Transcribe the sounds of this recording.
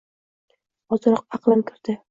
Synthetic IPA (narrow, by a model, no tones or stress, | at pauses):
ɒzɑɾɒq̚ɑqlˠankʲʰɪɾd̪ɪ